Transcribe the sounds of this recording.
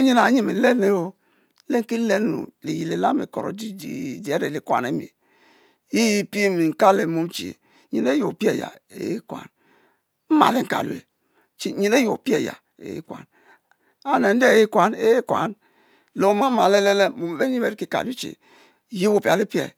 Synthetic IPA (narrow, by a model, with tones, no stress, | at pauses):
o˦ɲi˦na˨ɲi˦me˨le˦ne˦o˦ | le˦ŋ˦ki˦le˦n˦nṵ˨li˨ji˨le˨la˦mḛ˨ko˨ɾo̰˨di˦dḭ˨d͡ʒi˨e˦ɾe˨li˨˦kwa̰˨ne˦mḭ˨ | ji˦ji˦pi˦e˦mi˨ŋ̩˨ka˦le˨mu˦m˦t͡ʃḭ˨ḛ˨ | ɲḭ˨ne˦jo˨pi˦e˦˨ja̰˨ḛ˨˦ji˦kwa̰˨n | m̩˦ma̰˨le˦˨ŋ̩˨ka̰˨lṵ˨ḛ˨ | t͡ʃi˦ɲi˨ne˦jo˨pi˦e˦˨ja̰˨ | ḛ˨jḭ˦kwa̰˨n | a˨ne˨n̩˦de˦˨ji˦kwa˨ne˦e˦kwa̰˨n | lo˨˦ma˦ma˨le˦le˦le˦mo˨m˨be˦ɲi˦me˨˦ɾki˦ka̰˨li˦t͡ʃḛ˨ | ji˦wo˨pi˨a˨le˦pi˦ḛ˨